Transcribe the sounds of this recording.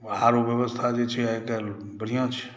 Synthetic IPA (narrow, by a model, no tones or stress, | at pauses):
aɾobjəβəst̪ʰad͡ʒet͡ʃʰiaeke | bəɾijãt͡ʃʰi̥